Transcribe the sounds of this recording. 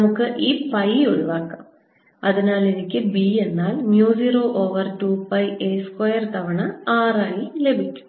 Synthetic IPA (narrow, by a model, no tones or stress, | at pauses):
nɐmukːɨʔiːpɐjuɭuʋaːkːa̰m | ɐðinaːlenikʲːɨbiːe̞nːaːlnjuːs̬iːroːʔoːʋɐrʈuːpɐjʔeːskwɐjɐrt̪ɐʋɐɳɐaːraːjile̞bʱikʲːu̥